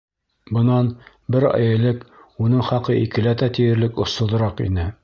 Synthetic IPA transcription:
bɤ̆nɑn | bɘɾæ̰jɘ̆lɘkunɤɴχɑqɤʔikɘ̆læt̪æt̪ijɘ̆ɾlɘkŏsŏðɤ̆ɾɑqḭnɘ

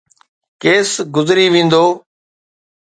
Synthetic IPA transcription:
keːsɡʊzɾiːʋẽːnd̪oː

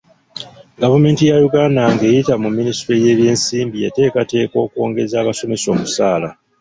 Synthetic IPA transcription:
ɡavume̞ːntijajuɡaːnaŋɡe̞ːjitamumːinistɾeje̞ːβje̞ːnsiːmbie̞te̞ːkate̞ːko̞ːkwo̞ːŋɡe̞zaːβaso̞me̞so̞ːmusaːla

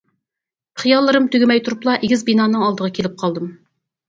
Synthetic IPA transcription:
χijɑlˠːɨɾɨmt̪ʰøɡʲɪmɛjt̪ʰuɾuplˠɑʔeɡʲɪzbinɑːnɨŋɑlˠd̪əʁɑkʲʰelɪp̚qʰɑlˠd̪ɨm

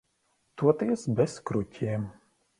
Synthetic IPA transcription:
t̪uɔt̪iɛsbʲɛskɾʊtʲʰiɛm

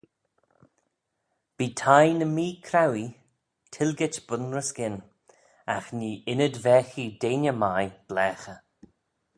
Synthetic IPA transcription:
b̥iːtʰajnəmiːkʰɾawi | tʰɪlɡɪtb̥ʊnɹəsɡ̥ɪn | a̰xniːʔɪnədvɛːxideːnʲəmajb̥lɛːxə

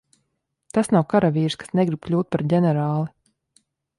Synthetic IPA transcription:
t̪asnawkaɾavʲiːɾskḁsnɛɡɾib̥̚klʲuːt̪̚paɾɟʲɛnɛɾaːlˠi

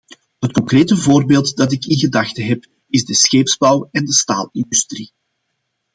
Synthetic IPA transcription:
ɦət̚kɔŋkreːtəvoːrbeːlˠtdɑtɪkɪnɣədɑxtəɦɛp | ɪzdəsxeːpzbɑwɛndəsta̰ːlˠɪndystri

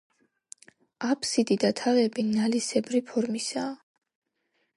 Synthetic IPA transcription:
apʰsid̪id̪at̪ʰaʁɛbinalisɛbɾipʰɔɾmisaː

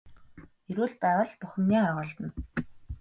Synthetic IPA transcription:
eɾuːɮpæːʁə̆ɮpuxʲɘ̆mniːaʁʊːɮt̪ə̆n

